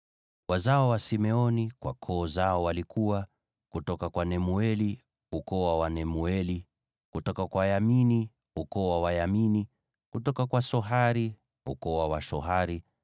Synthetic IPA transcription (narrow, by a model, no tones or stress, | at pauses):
wazaɔwasimɛɔnikwa̰kʰɔːzaɔwalikʰuwa | kutɔkakwanɛmuɛli | ukɔwawanɛmuɛli | kutɔkakwajamini | ukɔwawajamini | kutɔkakwasɔɦaɾi | ṵkɔwawaʃɔɦaɾi